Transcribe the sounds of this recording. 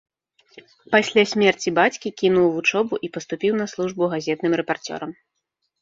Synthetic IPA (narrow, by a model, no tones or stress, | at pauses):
pasʲlʲasʲmʲɛrt͡sʲibat͡sʲkʲikʲinuwvut͡ʂɔbuʔipɐst̪upʲiwn̪ɐslˠuʐbuɣazʲɛt̪nɨmɾɛpart͡sʲɔ̰ɾɐm